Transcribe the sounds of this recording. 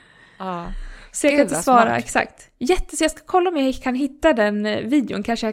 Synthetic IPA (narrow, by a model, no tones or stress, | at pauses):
sɔjaat̪svɑːɾa̰ɛ̰ksa̰kt̪ | jɛt̪ːəsɔjɑːskḁkʰɔlːaɔmjaakʰanɦɪt̪ːad̪ɛnviːd̪ɪʊ̰nkʰanʂəja